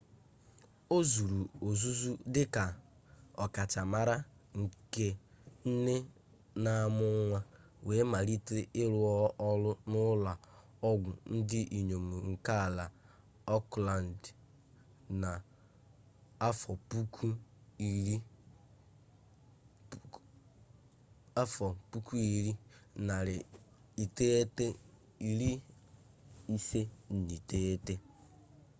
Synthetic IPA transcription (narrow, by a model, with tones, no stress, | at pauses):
o˦zu˨ɾu˨o˨zu˦zu˦dɪ˦ka˨ | ɔ˨ka˨t͡ʃa˨ma˨ɾa˦ŋ̩˨ke˦n̩˦ne˦ | na˨˦mʊ˦ŋʷa˦ | we˨˦ma˨ɾi˦tɪ˦ɪ˦ɾʊ˨ɔ˦ʔɔ˦lʊ˦nʊ˦la˨ | ɔ˦ɡʷʊ˨n̩˦dɪ˦ʔi˨ɲo˨mu˨ŋ̩˨ka˦˨la˨ | ɔ˦kla˨n˨d | na˨ | a˦fɔ˨pu˦kʰu˦˨ɾi˦ | a˦fɔ˨pu˦ku˦i˨ɾi˦na˨ɾɪ˨i˨te˦te˦ | i˨ɾi˦ | i˦se˦n̩˨ni˨te˦e˦te˦